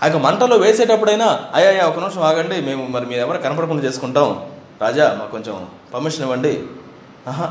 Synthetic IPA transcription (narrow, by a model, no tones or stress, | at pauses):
ɐk̬ːɐmɐɳʈɐloːʋe̞ːseːʈɐpːuɽɐjnaːɐjaːjaːɔkɐnimʂɐmaːɡɐɳɖime̞ːmumɐɾimiːɾɛʋɐɾukɐnɐp̬ɐɽɐkuɳɖɐt͡ʃe̞ːsu̥kuɳʈaːm | ɾaːd͡ʒaːmaːkkoɲt͡ʃem | pɐmːiʂɐniʋɐɳɖi | aːɦa